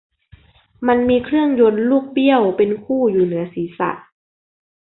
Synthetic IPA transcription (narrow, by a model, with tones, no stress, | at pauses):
ma˧nmiː˧kʰɾɯ˥˩əŋjo˧nluː˥˩k̚bi˥˩əwpe˧nkʰuː˥˩juː˨˩nɯ˩˦ɐsiː˩˦sa̰˨˩t̪̚